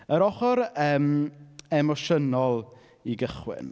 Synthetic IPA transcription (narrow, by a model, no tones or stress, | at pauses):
əɾɔχɔɾəːmɛmɔʃənɔlˠ | iɡəχwɪ̰n